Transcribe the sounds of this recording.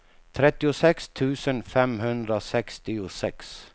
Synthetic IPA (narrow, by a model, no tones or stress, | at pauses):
t̪ʰɾɛt̪ːɪʊsɛkst̪ʰʉ̟ːsənfɛmɦɵnd̪ɾasɛkst̪ɪʊsɛks